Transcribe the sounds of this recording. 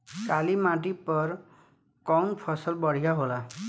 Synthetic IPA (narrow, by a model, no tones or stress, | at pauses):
kalimaʈ̬ipʌr | kɔwnpʰʌsʌlbʌɽ̤ijaɦola